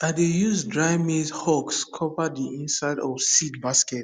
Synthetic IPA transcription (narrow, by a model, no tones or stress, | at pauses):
ãdejuzdɹaɪmizhɔkskʰɔvadiĩnsaɪdɔvsitbaskɛt̚